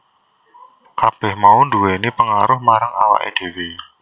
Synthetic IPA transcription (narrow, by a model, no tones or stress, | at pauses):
kab̥ɛ̤hmaunduwɛnipəŋaɾʊhmaɾaŋa̰wa̰ʔḭd̥e̤we